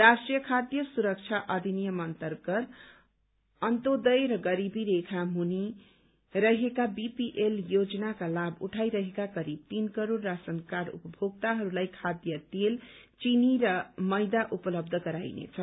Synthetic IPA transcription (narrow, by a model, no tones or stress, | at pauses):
rasʈrijʌkʰad̪jʌsuɾʌk̚t͡sʰaʔʌd̪ʱinijʌmʌnt̪ʌrɡʌɾ | ʌnt̪od̪ʌjɾʌɡʌɾibiɾekʰaɦuni | ɾʌɦekabipiʔeljod͡zʌnakalabʱṵʈʰajɾʌɦekakʌɾib̚t̪inkʌɾoɾːasʌŋkaɾṵpʌbʱoɡ̚t̪aɦʌɾulajkʰad̪jʌt̪elt͡siniɾʌmʌjd̪aʔupʌlʌb̚d̪ʱʌɡʌɾa̰jnḛt͡sʰʌ